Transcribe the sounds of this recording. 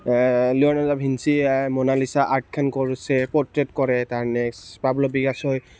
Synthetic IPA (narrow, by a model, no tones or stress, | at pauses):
liɔnalabʱinsimɔnalisaʔaɹt̚kʰankɔɹusɛpɔtɹɛtkɔɹɛtaɹnɛspablɔbiɡasɔj